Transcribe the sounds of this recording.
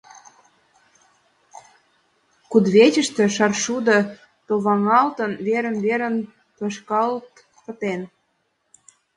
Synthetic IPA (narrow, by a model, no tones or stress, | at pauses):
kud̪βet͡ɕə̆ʃt̪ĕʃɑrʃud̪ə̆ | t̪oβɑŋɑlt̪ənβeɾə̆nβeɾən | p̪ɤʃkɑlt̪ | pə̆t̪en